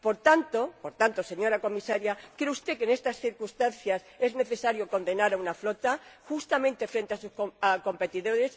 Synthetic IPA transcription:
po̞ɾt̪ant̪o̞po̞ɾt̪ant̪o̞se̞ɲo̞ɾako̞misaɾjakɾeust̪e̞kene̞st̪asθiɾkust̪anθjase̞zne̞θe̞saɾjo̞ko̞nd̪e̞naɾaunaflo̞t̪axust̪amẽnt̪e̞fɾe̞nt̪easuskoako̞mpe̞t̪iðo̞ɾe̞s

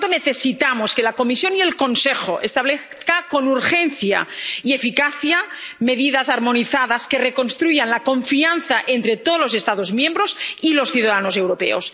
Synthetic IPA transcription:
t̪oneθesit̪amoskelako̞misjo̞nielko̞nsexoʔḛst̪aβle | kako̞nuɾxenθja̰iefikaθja | me̞ðiðazaɾmo̞niθaðaskereko̞nst̪ɾuʝanlakõ̞ɱfianθaʔent̪ɾet̪oðlose̞st̪aðozmjẽ̞mbɾosilo̞sθjuðaðanose̞wɾopḛos

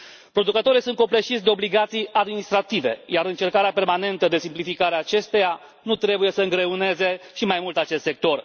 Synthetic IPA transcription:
pɾo̞d̪ukət̪o̞ɾijsunt̪ko̞pleʃit̪sʲd̪e̞o̞bliɡat̪sijad̪minist̪ɾat̪ive̞̰jaɾɨnt͡ʃe̞rkaɾeape̞rmane̞nt̪əd̪e̞simplifikaɾeaːt͡ʃe̞st̪eja | nut̪ɾe̞buje̞səɨŋɡɾe̞une̞ze̞ʃimajmult̪at͡ʃe̞st̪sek̚t̪o̞r

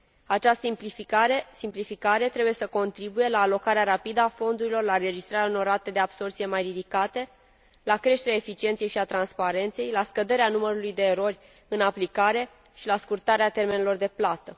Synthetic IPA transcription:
at͡ʃast̪əimpifaesimplifikaɾe̞t̪ɾe̞buje̞səko̞nt̪ɾibuje̞laːlo̞kaɾeaɾapid̪əafo̞nd̪uɾilo̞rlaɾe̞d͡ʒist̪ɾaɾaono̞ɾat̪ed̪e̞abso̞rt̪sije̞majrid̪ikat̪e̞ | lakɾe̞ʃt̪e̞ɾeaefit͡ʃie̞nt̪sje̞jʃiat̪ɾanspaɾe̞nt̪se̞jlaskəd̪e̞ɾeanuməɾulujd̪e̞ːɾo̞rʲ | ɨnaplikaɾe̞ | ʃilaskurt̪aɾeat̪e̞rme̞nelo̞rd̪e̞plat̪ə

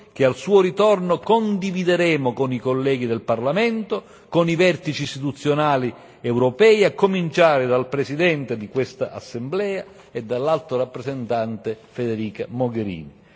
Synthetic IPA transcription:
k̟ealsuːoɾit̪ɔrnokond̪ivid̪eɾɛːmokonikolːɛːɡid̪elparlamɛnt̪o | konivɛrt̪it͡ʃiːst̪it̪ut̪sːjonaːli | ɛwɾopɛːjakːomint͡ʃaːɾɪd̪alpɾesid̪ɛnt̪ed̪ikwest̪a̰ʔa̰sːemblɛːa | ed̪ːalːalt̪ɾoɾapːɾezent̪ant̪efed̪eɾiːkamoɡeɾḭːni

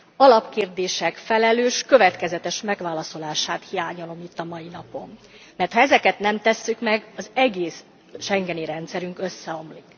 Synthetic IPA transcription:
ɒlɒpkeːrd̪eːʃɛkfɛlɛløːʃkø̞vɛt̪kɛzɛt̪ɛʃmɛɡʋaːlɒso̞laːʃaːt̪hijaːɲolo̞mit̪ːɒmɒjinɒpo̞mː | ɛrt̪hɒɛzɛkɛt̪nɛmt̪ɛsːykmɛɡɒzɛɡeːs | ʃɛŋɡɛniɾɛnt̪sɛɾyŋkø̞sːɛo̞mlik

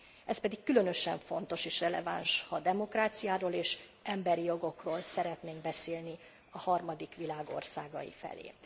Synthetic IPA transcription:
ʔɛspɛd̪ikːylø̞nø̞ʃɛɱfo̞nt̪o̞ʃeːʃrɛlɛ̰va̰nʃhɒd̪ɛmo̞kraːt̪sijaːɾoːleːʃ | ʔɛmbɛɾijo̞ɡo̞kroːlsɛɾɛt̪neːŋɡ̚bɛseːlni | ɒhɒrmɒd̪ikʋilaːɡo̞̰rsaːɡɒ̰jḭfɛ̰lḛː

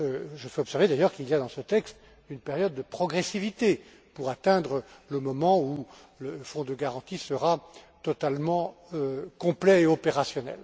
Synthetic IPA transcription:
øʒəfɛɔpsɛʁved̪ajœʁkilijad̪ɑ̃sət̪ɛkst̪ | ynpeʁjɔd̪̚ːəpχɔɡʁɛsivit̪e | puʁat̪ɛ̃d̪ʁələmɔmɑ̃u | ləfɔ̃d̪əɡaʁɑ̃t̪isəʁa | t̪ɔt̪almɑ̃økɔ̃plɛeɔpeʁasjɔnɛ̰l

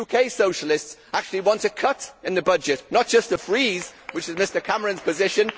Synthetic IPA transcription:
ukʰeɪsoʊʃəlɪstsʔak̚t͡ʃʉəlˠiwɒ̃ntʰəkʰʌtɪ̃nðəbʌd͡ʒɪʔnət̚d̥ʒ̥ʌstəfɹiːzwɪt͡ʃɪzmɪstəkʰaməɹə̃nz̥pʰəzɪʃə̃n

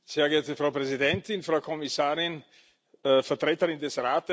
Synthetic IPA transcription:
seːɐɡeːɐtəfʁaʊpʁɛzidɛntɪnfʁaʊkʰɔmisaːʁɪnː | fɛɐtʁeːtəʁɪndɛsʁaːtə

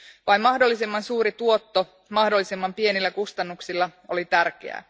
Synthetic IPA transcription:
ʋɑimmɑhdo̞lːisemːɑnsuːɾit̪uo̞t̪ːo | mɑhdolːisemːɑmpie̞nilːækust̪ɑnːuksilːɑo̞lit̪ærk̟ḛæ̰

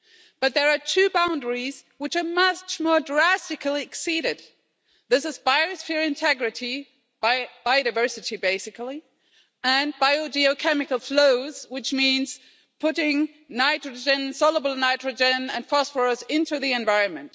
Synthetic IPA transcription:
b̥ʌt̪̚ðə˞ətʰʉbãʊ̃ndəɹiz̥ | wɨt͡ʃə˞mʌt͡ʃmɔɹdɹæstɨkl̩ˠiɨksiɾɪd̪̚ | ðɪsɨzbaɪɨsfiɹɨ̃ntʰɛɡɹɨɾi | bab̥aɪoɾaɪvɜ˞sɨɾibeɪsɨkl̩ˠi | ɨ̃nbaɪod͡ʒiokʰɛmɨkəl̩ˠfloʊz̥wɨt͡ʃmĩnz̥ | pʰʊɾɪ̃ŋ | naɪtɹɨd͡ʒɨ̃nsɔlˠəbəl̩ˠnaɪtɹɨd͡ʒɨ̃nɨ̃nfɔsfə˞əzɪ̃ntʉðiɨ̃ɱvaɪɹɨ̃nmɨ̃nt

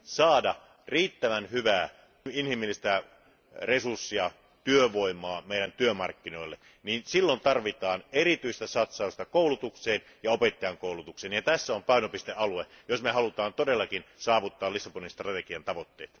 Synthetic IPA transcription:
sɑːdɑ | riːt̪ːæʋænhyʋæː | inhimːilːist̪æ | resursːiɑ | t̪yøʋoimˑɑːmeˑiɾænt̪yømɑ̰rkːinoilːe | niːnsilːont̪ɑrʋit̪ɑːnerit̪yist̪æsɑt̪sɑˑust̪ɑkoˑulut̪ukseːn | jɑopet̪ːɑjɑŋkoˑulut̪ukseːnjɑt̪æsːæompɑˑinopist̪eʔɑluejosmehɑlut̪ɑːnt̪odelːɑkinsɑːʋut̪ːɑːlisːɑponinst̪rɑt̪ekiɑnt̪ɑʋot̪ːḛːt̪

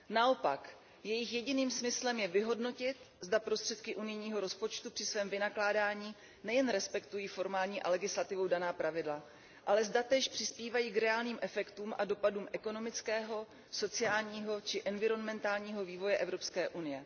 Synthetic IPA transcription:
nao̞pak | jɛjɪxjɛɟɪniːmsmɪslɛmjɛvɪɦo̞dno̞cɪt̪ | zdapɾo̞st̪r̥ɛt̪kɪʔunɪjɲiːɦo̞ɾo̞spo̞t͡ʃt̪upr̝̥ɪsvɛːmvɪnaklaːdaːɲiː | nɛjɛnɾɛspɛkt̪ujiːfo̞ɾmaːlɲiːʔalɛɡɪslat̪ɪvowdanaːpɾavɪdla | ʔalɛzdat̪ɛːʃpr̝̥ɪspiːvajiːkɾɛaːlniːmʔɛfɛkt̪uːmʔado̞paduːmʔɛkono̞mɪt͡skɛːɦo̞ | so̞t͡sɪaːlɲiːɦo̞t͡ʃɪʔɛnvɪɾo̞nmɛnt̪aːlɲiːɦo̞viːvo̞jɛʔɛvɾo̞pskɛːʔunɪjɛ

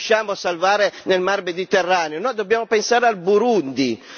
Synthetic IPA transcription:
ʃaːmosalvaːɾenelmarmed̪it̪erːaːneonɔjd̪objaːmopensaːɾealbuɾund̪i

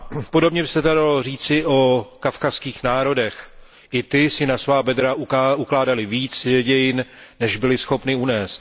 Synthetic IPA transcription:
po̞do̞bɲɛbɪsɛd̪adalo̞riːt͡sɪʔo̞kafkafskiːxnaːɾo̞dɛx | ʔɪt̪ɪsɪnasvaːbɛd̪ɾaʔuʔuklaːdalɪviːt͡sjɛɟɛjɪnnɛʒbɪlɪsxo̞pnɪunɛːst̪

